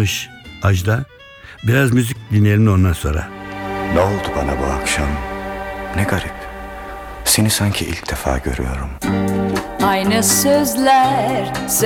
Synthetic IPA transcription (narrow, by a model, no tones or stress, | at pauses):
ɯʃ | ad͡ʒd̪a | biɾazmyzic̚d̪inielʲino̞nd̪anso̞nɾa̰nɛolˠd̪ubanabuakʃam | nɛɡaɾip | senisaɲcʰiʔḭlʲcd̪efa̰ːɟø̞̰ɾy̰jo̞ɾum | ajnɯsøzlʲæɾz